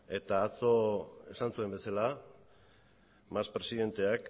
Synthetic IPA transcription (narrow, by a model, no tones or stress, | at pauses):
e̞t̪aːt͡so̞e̞sansue̞mbe̞sala | maspɾe̞siðe̞nt̪e̞ak